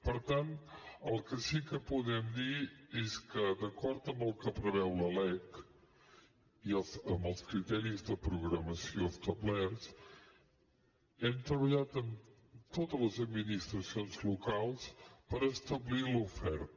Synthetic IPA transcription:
pəɾt̪ant̪əlˠkəsikəpuðɛmd̪ieskəd̪əkɔɾt̪əmbəlˠkəpɾəβɛwləlɛk | iəsəmbəlˠskɾit̪ɛɾizðəpɾuɣɾəməsiost̪əβlɛɾs | ɛmt̪ɾəβəʎat̪ən | t̪ot̪ələzəd̪minist̪ɾəsionzlukalˠspəɾəst̪əβlilufɛɾt̪

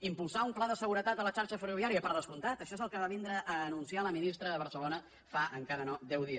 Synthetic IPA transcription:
impulˠsaumplaðəsəɣuɾət̪at̪ələt͡ʃaɾʃəfəruβiaɾiəpəɾðəskunt̪at̪əʃɔezəlˠkəβaβind̪ɾəʔːnunsialəminist̪ɾəðəβ̞ərsəlonə | faəŋkaɾənɔd̪ɛwðiəs

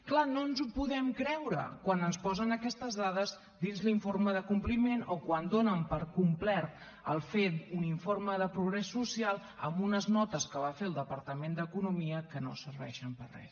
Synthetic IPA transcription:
klanonzupuðɛmkɾɛwɾə̰kwanənspɔzənəkɛst̪əzðaðəz | d̪inzliɱforməðəkumplimenokwand̪onəmpəɾkumplɛɾt̪ | əlˠfet̪̚uniɱforməðəpɾuɣɾɛsːusialˠ | əmbunəznɔt̪əskəβafelˠd̪əpəɾt̪əmend̪əkunumiəkəno̰səɾβɛ̰ʃəmpərrɛ̰s

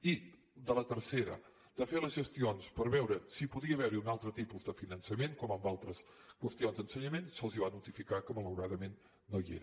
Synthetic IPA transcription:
i | d̪ələt̪əɾseɾə̰ | d̪̥əfeləzʒəst̪ionspəɾβɛwɾəsipuðiəβɛwɾiunalˠt̪ɾət̪ipuzd̪əfinənsəmeŋkɔməmbalˠt̪ɾəskwəst̪ionzd̪ənsəɲəmensəlˠziβanut̪ifikakəmələwɾaðəmenː | oiḛɾə

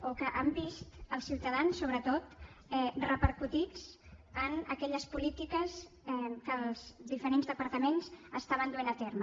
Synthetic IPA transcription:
okəʔəmbist̪əlˠsiwt̪əðansːoβɾət̪ot̪ɛrəpəɾkut̪it͡sənəkɛʎəspulit̪ikəs | ɛkəlˠzðifəɾenzðəpəɾt̪əmenzəst̪aβənd̪uenət̪ermə

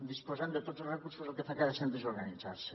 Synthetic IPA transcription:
d̪ispozand̪et̪ozorekuɾsozelkeθakaðesend̪ezoɾɣanit͡sa̰ɾse

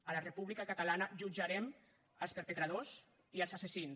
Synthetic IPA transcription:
ələrepuβlikakət̪alanəʒud͡ʒaɾɛm | əlˠspəɾpət̪ɾað̞oz | iəlˠzasesins

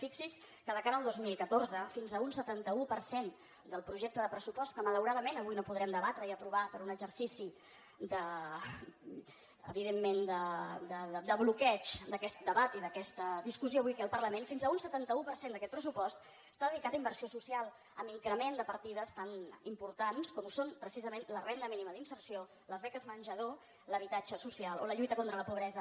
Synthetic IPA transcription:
fiksis | kəðəkaɾəəlˠd̪ozmilˠkət̪orzəfinzəunsət̪ant̪əupəɾsen | d̪əlˠpɾuʒɛk̚t̪əðəpɾəsupɔst̪kəmələwɾaðəmenəβujnopuðɾɛmd̪əβat̪ɾəiəpɾuβapəɾunəɡzərsisi | d̪ə | ə̰βiðemːend̪əd̪əd̪əβlukɛt͡ʃd̪əkɛst̪̚d̪əβat̪iðəkɛst̪əd̪iskusioːβujkeəlˠpərləmenfinzəunsət̪ant̪əupəɾsend̪əkɛt̪̚pɾəsupɔst̪ | st̪aðəðikat̪əimbəɾsiosusialˠ | əmiŋkɾəmend̪əpəɾt̪iðəst̪animpuɾt̪anskɔmusonpɾəsizəmenlərend̪əminiməðinsəɾsio | ləzβɛkəzmənʲʒəðo | ləβ̞it̪ad͡ʒəsusialˠo̰ləʎujt̪əkont̪ɾələpuβɾɛzə

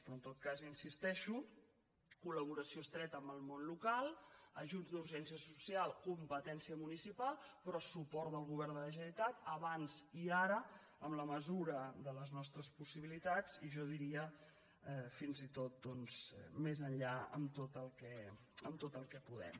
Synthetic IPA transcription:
pɾɔnt̪ot̪̚kazinsist̪ɛʃu | kuləβ̞uɾəsiost̪ɾɛt̪əmbəlˠmonlukalˠəʒunzd̪uɾʒɛnsiəsusialˠkumpət̪ɛnsiəmunisipalˠpɾɔsupɔɾt̪d̪əlˠɣ̞uβ̞ɛɾnd̪ələʒənit̪at̪əβanziaɾə | əmləməzuɾəðələznɔst̪ɾəspusiβilit̪ad͡ziʒɔðiɾiə | ɛfinzit̪ot̪̚d̪ɔnzmezəɲʎaə̰mt̪ot̪əlˠkɛ | əmt̪ot̪əlˠkɛpuðɛ̰m

